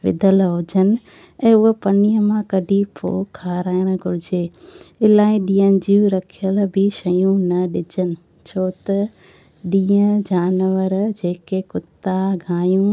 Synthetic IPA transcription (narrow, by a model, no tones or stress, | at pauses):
ʋɪ̰d̪ʱəlɦʊd͡ʑənɪ̆ | ɛ̃ːʊɦəpɐniːə̃mãkɐɖʱipʰo̰ːkʰːaːɾaːɪɽ̃ɡʱʊɾɪd͡ʑeɪlaːɪɗĩːənɪ̆d͡ʑiːũɾɐkʰijəlbʱɪʃɐjũnɐɗɪd͡ʑənɪ̆ | t͡ɕʰoːt̪ɐ | ɗĩːə̃d͡ʑaːnʋəɾd͡ʑeːkekʊt̪aɡʱaːjũ